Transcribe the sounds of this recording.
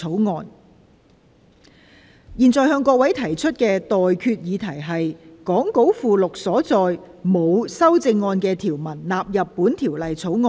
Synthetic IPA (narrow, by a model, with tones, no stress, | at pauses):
o˨˥wŋɔː˧n | jiː˨nt͡sɔː˨˩jhœː˧ŋkʷɔː˧˥k̚wɐ˨˥jt̪ʰɐ˨˩jt͡ʃʰɵ˥t̚kɛː˧t̪ɔː˨jkʰyː˧t̚jiː˨˧t̪ʰɐ˨˩jɦɐ˨jkɔː˨˥ŋko˨˥wfuː˨lʊ˨k̚sɔː˨˥t͡sɔː˨jmo˨˧wsɐ˥wt͡sɪ˧ŋːɔː˧nkɛː˧t̪ʰiː˨˩wmɐ˨˩nlaː˨p̚jɐ˨pːuː˨˥nt̪ʰiː˨˩wlɐ˨jt͡sʰo˨˥wŋɔː˧